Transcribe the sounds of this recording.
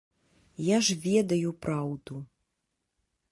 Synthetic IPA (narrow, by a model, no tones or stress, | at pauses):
jaʐvʲɛd̪ɐjupɾawd̪u